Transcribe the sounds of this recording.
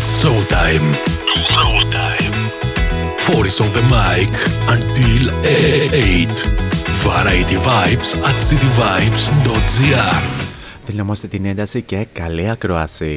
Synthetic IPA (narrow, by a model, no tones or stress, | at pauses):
sot̪ajmsot̪ajm | foɾisõnðəmajkɐ̃nt̪ileejt̪vɐɾajt̪ivajpsɐt̪sit̪ivajpsd̪ot̪̚ziaɾ | ðinomɐst̪et̪ine̞nd̪ɐsicekɐliɐkɾoɐ̰si